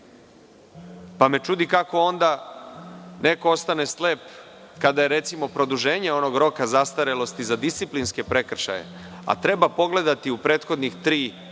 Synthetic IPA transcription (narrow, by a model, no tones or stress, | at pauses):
pame̞t͡ʃud̪ikako̞o̞nd̪a | ne̞ko̞ost̪ane̞sle̞ːp | kad̪aje̞ɾe̞t̪simo̞pɾo̞d̪uʒe̞ːɲeo̞no̞ɡɾo̞kazast̪aɾelo̞st̪izad̪ist̪siplinske̞pɾe̞kr̩ʃa̰je̞̰ | a̰t̪ɾe̞bapo̞ɡle̞d̪at̪iupɾe̞ːt̪xo̞d̪nixt̪ɾiː